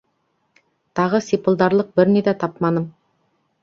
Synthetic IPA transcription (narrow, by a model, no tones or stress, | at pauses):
t̪ʰɑʁəsipəlˠd̪ɑɾlˠəq̚bɪɾned̪ɑt̪ʰɑpmɑnəm